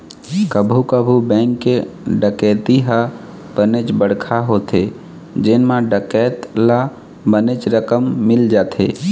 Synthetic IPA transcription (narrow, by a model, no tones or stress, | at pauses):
kəbʱukəbʱubɛ̃ːŋkːe | ɖəkɛːt̪iɦa | b̥ənet͡ʃbəɽkʰaɦot̪e | d͡ʒɪnmãɖəkɛt̪la | bənet͡ʃɾəkəmːɪld͡ʒaːt̪ʰḛ